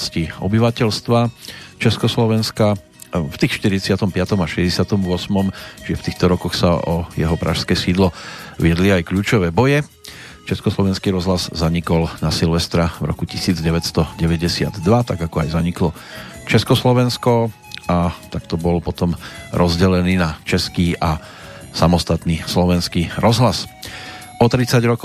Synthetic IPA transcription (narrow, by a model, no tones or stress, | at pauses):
sciɔ̰biʋacɛlst̪ʋat͡ʃɛskɔslɔʋɛnska | ft̪iːxʃt̪iɾit͡sɪat̪ɔmpɪat̪ɔmaʃɛzɟɛsɪat̪ɔmʊɔsmɔmt͡ʃʒɛft̪iːxt̪ɔɾɔkɔxsa̰ʔɔjɛɦɔpɾa̰ʃskɛːsiːd̪lɔʋɪɛd̪liajkʎuːt͡ʃɔʋɛːbɔjɛ | t͡ʃɛskɔslɔʋɛnskiɾɔzɦlazzaɲikɔlnasilʋɛst̪ɾavɾɔ̰kucisiːd͡zɟɛʋɛst̪ɔɟɛʋɛɟɛsɪa̰d̪d̪ʋat̪aɡakɔajzaɲiklɔt͡ʃɛskɔslɔʋɛnskɔ | at̪akt̪ɔbɔlpɔt̪ɔmɾɔzɟɛlɛniːnat͡ʃɛskiːʔa | samɔst̪at̪nislɔʋɛnskiːɾɔzɦlas | ɔt̪ɾit͡saɟɾɔk